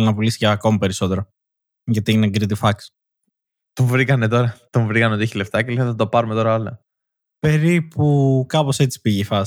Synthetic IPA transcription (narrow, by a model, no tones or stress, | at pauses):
linɐpulisi̥ceɐko̞mɐpe̞ɾiso̞t̪e̞ɾo̞ | ʝɐt̪ineɡɾit̪ifɐks | t̪oɱvɾikɐne̞t̪̬o̞ɾɐt̪oɱvɾikɐneot̪içileft̪ɐceliɐθɐt̪opɐɾumet̪o̞ɾɐolɐ | pe̞ɾipukɐpo̞se̞t͡si̥piʝefɐ